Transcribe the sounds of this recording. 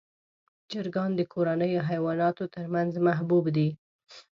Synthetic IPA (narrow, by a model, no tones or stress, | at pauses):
d͡ʒɪɾɡɑnd̪əkʰoɾanəjoɦajwɑnɑt̪ot̪əɾmanzmaɦbubd̪i